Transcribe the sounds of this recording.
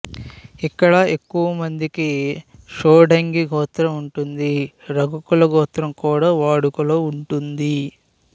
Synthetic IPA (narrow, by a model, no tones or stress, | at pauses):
ikːɐɽɐe̞kːuʋɐmɐnd̪ikiʂoːɖɐŋɡiɡʱɔːt̪ɾɐmuɳʈund̪i | ɾɐɡukulɐɡʱɔːt̪ɾɐmkuːɽaːʋaːɽukuloːuɳʈund̪i